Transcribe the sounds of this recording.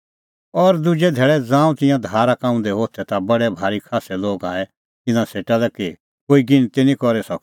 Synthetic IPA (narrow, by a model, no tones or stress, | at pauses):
ɔɾd̪ʊd͡ʒɛd̪ʱeːɭɛd͡zãːũt̪ɪ̃jãd̪ʱaːɾakãːũnd̪ɛɦoːt̪ʰɛt̪abɐɽɛbʱaːɾikʰaːsɛloːɡãːɛ | t̪ɪ̃nãseːʈalɛki | koːiɡɪnt̪enĩkɔɾɛsɔk̚